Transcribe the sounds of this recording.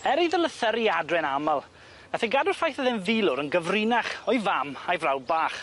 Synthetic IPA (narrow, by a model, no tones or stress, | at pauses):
ɛɾiðəlˠəθəɾiadrɛnamalˠ | ɡaθiɡadʊrfajθəðɪnvilˠʊɾənɡəvrɪnaχɔjvamajvrawd̚baːχ